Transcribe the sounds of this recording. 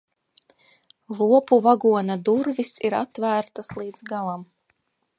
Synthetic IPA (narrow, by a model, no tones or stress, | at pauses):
lˠuɔpuvaɡuɔnad̪uɾvisiɾat̪væːɾt̪aslˠiːd̪zɡalˠam